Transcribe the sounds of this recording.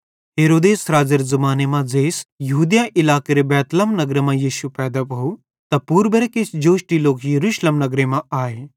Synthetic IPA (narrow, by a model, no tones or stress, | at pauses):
ɦeːɾoːd̪eːsɾaːd͡ʒɐɾzɐmaːnemãd͡zeːsjɐɦuːd̪jãʔɪlaːkeɾebɛːt̪ləmnɐɡɾemãjiːʃupɛːd̪apɐu | t̪ɐpuːɾbeɾekesd͡ʒoːʃʈiloːkjɐɾuːʃleːmnɐɡɾemãaːe